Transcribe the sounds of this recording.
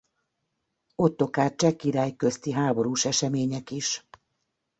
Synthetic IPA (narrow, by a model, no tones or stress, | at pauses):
o̞t̪ːo̞kaːt̪̚t͡ʃɛkːiɾaːjkøst̪iɦaːbo̞ɾuːʃɛʃɛmeːɲɛkiʃ